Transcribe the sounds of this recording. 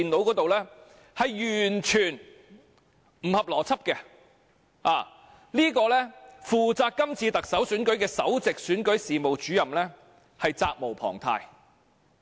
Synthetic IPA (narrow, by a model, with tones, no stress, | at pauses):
i˨no˨˥wkɔː˨˥t̪o˨wlɛː˥ | hɐ˨jːyː˨˩nt͡ʃʰyː˨˩n | m̩˨˩hɐ˨p̚lɔː˨˩t͡sʰɐ˥p̚kɛ˧ | aː˨ | liː˥kɔː˧lɛː˥fuː˨t͡saː˧kːɐ˥mt͡sʰiː˧t̪ɐ˨k̚sɐ˨˥wsyː˨˥nkɵ˨˥ɥkɛː˧sɐ̰˨˥wt͡sɪ˨k̚syː˨˥nkɵ˨˥ɥsiː˨mo˨wt͡ʃyː˨˥jɐ˨mlɛː˥ | hɐ˨jt͡saː˧k̚mo˨˩wpʰɔ̰ː˨˩ŋt̪ʰa̰ː˧j